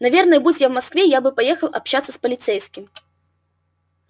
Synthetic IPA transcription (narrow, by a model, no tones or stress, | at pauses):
navʲɛrnɐjbud͡zʲjavmaskvʲɛjabɨpajɛxɐlˠʔapɕat̪sːɐspɐlʲit̪sɛjskʲim